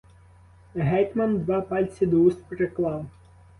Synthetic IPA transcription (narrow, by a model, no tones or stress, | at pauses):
ɦɛjt̪mɐnd̪ʋɑpɑlʲt͡sʲid̪ɔust̪pɾeklˠɑw